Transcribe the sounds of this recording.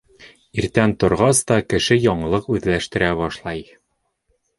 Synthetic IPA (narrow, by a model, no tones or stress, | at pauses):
iɾt̪ænt̪ŏɾʁɑst̪ɒkɘ̆ʃɘjɒɴɤ̆lˠɤqʉðlæʃt̪ɘ̆ɾæβɒʃlˠɑj